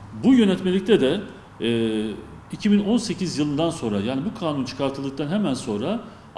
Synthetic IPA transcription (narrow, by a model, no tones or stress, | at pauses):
bujø̞nɛt̪me̞lʲic̚t̪ʰɛd̪ɛ | icʰibino̞nse̞cizjɯlˠɯnd̪anso̞nɾajaːnibukʰaːnunt͡ʃʰɯ̥kʰaɾt̪ʰɯlˠɯk̚t̪anɦemænso̞nɾa